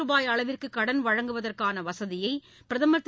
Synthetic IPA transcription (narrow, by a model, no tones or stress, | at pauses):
ɯbaːjɐɭɐʋɪrkɯkːɐɽɐnʋɐɻɐŋɡɯʋɐðɐrkaːnɐʋɐsɐðɪjɐɪ | pɪɾɐðɐmɐt̪ː